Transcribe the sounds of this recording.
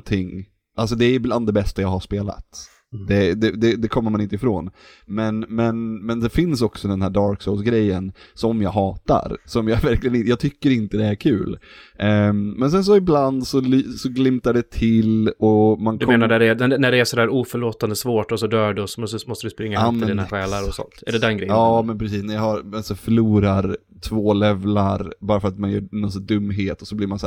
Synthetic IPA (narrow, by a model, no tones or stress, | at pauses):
t̪ʰɪŋː | ʔals̬ɔd̪ɛæɾjbland̪ɛbɛst̪ajɑːhaʂpeːla̰t̪ | d̪ɛd̪ɛd̪ɛd̪ɛkʰɔmːəmanɪnt̪əɪfɾo̰ːn | mɛnmɛnmɛnd̪ɛfɪnsɔksɔd̪ɛnhæːɖɑːɾksoʊsɡɾɛjːənsɔmjɑːɡɦɑːt̪a̰ɾsɔmjɑːvæɾklɪɡənɪjɑːɡt̪ʰʏkːəɾɪnt̪əd̪ɛæɾkʰʉ̟̰ːl | mɛns̬ɛns̬ɔɪbland̪sɔlysɔɡlɪmt̪aɖɛt̪ʰɪlɔmank̪d̪ʰeːnaɖæɖɛnæɖɛnæɖɛæʂɔd̪æːɾuːfœɭoːt̪and̪əsvoːʈɔsɔd̪œːɖɛɔsɔsmɔst̪əd̪ɵspɾɪŋːatmɛd̪iːnaɧɛːlaɾɔsɔ̰nt̪æ̰ɖɛd̪ɛnɡɾɛjɑːmɛnpʰɾɛs̬iːsnæɾjɑhaɾasɔfœɭuːɾaɾ | t̪ʰvoːlɛvlaɾbɑːɾafœɾat̪manjœːnɔns̬ad̪ɵmːɦeːt̪ɔsɔbliːɾmansæː